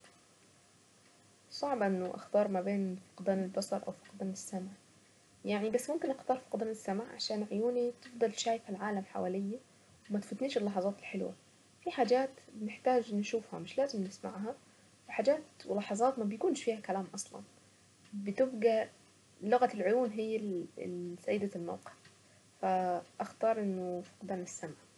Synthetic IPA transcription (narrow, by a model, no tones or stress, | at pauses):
sˤɑʕbʔɪnːʊʔɑ̰xt̪ɑːɾˤmæbeːnfi̥qɑd̪æːnɪlbɑsˤɑɾˤʔa̰wfi̥qɑd̪æːnɪsːamʕ | jaʕnibasːmʊmkɪnʔɑxt̪ˤɑːɾˤfi̥qɑd̪æːnɪsːamʕʕa̰ʃaːnʕojuːnit̪ɪfd̪ˤɑlʃaːjɪfalʕaːlamħa̰wæːlɪjːa | wɪmæt̪fʊt̪niːʃɪlːɑħɑzˤɑːt̪ɪlħelwa̰ | fiħaːd͡ʒaːt̪bnɪħt̪aːd͡ʒʔnːʃuːfhæ̰mɪʃlaːzɪmnɪsma̰ʕɦa | wɪħaːd͡ʒaːt̪wɪlɑħɑzˤɑːt̪mæbjkuːnʃfiːhakælaːmʔɑsˤlɑ̰n | bɪt̪ɪbɡa | lʊɣalʕʊjuːnɦɪjːa̰ | sajːɪd̪alma̰wqɪ̥ʕ | faʔaxt̪ɑːɾˤʔɪnːʊfi̥qɑd̪aːnɪsːamʕ